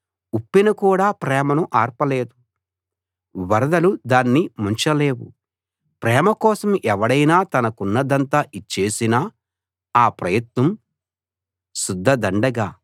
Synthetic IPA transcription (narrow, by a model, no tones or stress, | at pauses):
upːinɐkuːɽaːpɾɛːmɐnuʔaːɾpɐle̞ːd̪u | ʋɐɾɐd̪ɐlud̪aːnːimuɲt͡ʃɐle̞ːwṵ | pɾɛːmɐkɔːsɐmɛʋɐɽɐjnaːt̪ɐnɐkunːɐd̪ɐnt̪aːʔit͡ʃːe̞ːsinaː | aːpɾɐjɐt̪nɐm | sud̪ʱːɐd̪ɐɳɖɐɡaː